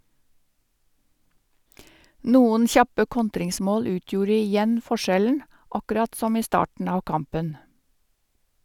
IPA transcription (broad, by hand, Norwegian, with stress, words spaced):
ˈnuːən ˈçɑpə ˈkɔntɾɪŋˌsmoːl ˈʉːtjuːɾ ɪˈjɛn fɔˈʃɛln ɑkʉˈɾɑt ˈsɔm ˈiː ˈstɑːʈɳ̩ ˈɑː ˈkɑmpən